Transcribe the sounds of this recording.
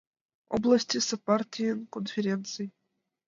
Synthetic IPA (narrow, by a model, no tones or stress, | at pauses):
o̰blˠɐsʲtʲisɐpartʲijnkonfʲeɾʲent̪sɨj